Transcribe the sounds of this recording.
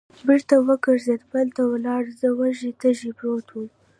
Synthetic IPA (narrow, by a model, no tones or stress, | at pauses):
bɪɾt̪awəkəɾzed̪bəlt̪awəlɑɽzəwaʒit̪əʒibɾot̪wum